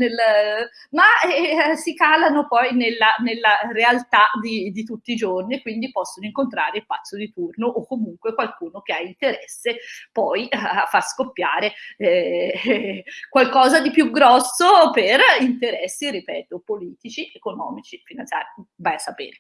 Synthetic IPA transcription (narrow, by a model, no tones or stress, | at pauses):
nelː | maɛsikaːlanopɔjnelːanelːarealt̪ad̪id̪it̪ut̪ːiːd͡ʒorniekwind̪ipɔsːonoiŋkont̪ɾaːɾeilpat̪sːod̪it̪urnoʔokːomuŋkwekwalkuːnok̟eaint̪eɾɛsːepɔjafːaskopːjaːɾeɛ | kwalkɔːzad̪ipjuɡɾɔsːoperint̪eɾɛsːiɾipɛːt̪opoliːt̪it͡ʃiʔekonɔ̰ːmit͡ʃifinant̪sja̰ːɾivajasːapḛːɾe